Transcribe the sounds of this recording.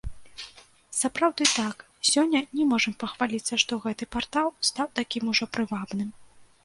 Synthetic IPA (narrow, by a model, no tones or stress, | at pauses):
sapɾawd̪ɨt̪ak | sʲɔnʲːɐnʲɛmɔʐɐmpɐxvalʲit̪sːɐʂt̪ɔɣɛt̪ɨpart̪alˠst̪awt̪akʲimuʐɔpɾɨvabnɨm